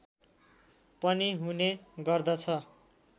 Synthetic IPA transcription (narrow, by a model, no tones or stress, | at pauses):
pʌniɦuneɡʌrd̪ʌt͡sʰʌ